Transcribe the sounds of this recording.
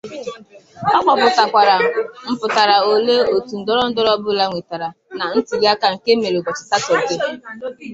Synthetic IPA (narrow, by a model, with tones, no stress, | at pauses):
ɔ˦kʷɔ˨bʊ˨ta˨kʷa˨ɾa˨m̩˨pʊ˨ta˨ɾa˨o˨le˦o˨tu˨n̩˨dɔ˦ɾɔ˦n̩˦dɔ˦ɾɔ˦bʊ˦la˦ŋʷe˨ta˨ɾa˨ | na˨n̩˦ti˨ɡa˦ka˨ŋ̩˨ke˦me˨ɾe˨ɡʷɔ˨t͡ʃɪ̥˨ta˦tɔ˨ke˦